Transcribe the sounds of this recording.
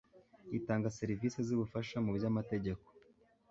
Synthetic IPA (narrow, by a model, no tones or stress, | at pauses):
itaːŋɡase̞ɾiviːseziβufaʃamubjamate̞ɟe̞ko̥